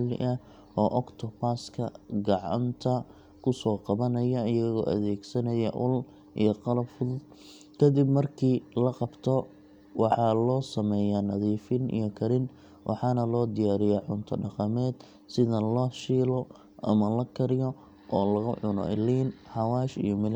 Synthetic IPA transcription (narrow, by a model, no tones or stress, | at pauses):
lɪ̰ʔɐ | ʔɔːʔɔkt̪ʰɔpaskʰɐɡɑʕɑ̰nt̪ʰɐ | kʰʊsɔːqɑβɐnɐjɐɪjɐɣɔ̰ːʔɐ̰ðɛːɡsɐnɐjɐʔʊ̰l | ʔḭjɔqɑlɐbfʊðʊd̪ | kʰɐd̪ɪbmɐrkʰiːlɐqɑbt̪ʰɔ | wɑħɑlɔːsɐmɛːjaːnɐðiːfɪnḭjɔkʰɐɾɪn | wʔɑ̰ħɑnɐlɔːd̪ɪjaːɾɪjaːʕʊnt̪ʰɐɖɑqɑmɛːd̪̥ | sɪðɐlɔːʃiːlɔ | ʔɐ̰mɐlɐkʰɐɾɪjɔ | ʔɔːlɐɣʊʕʊnɔ̰ʔɪ̰liːnħɑwɑːʃḭjɔmɪl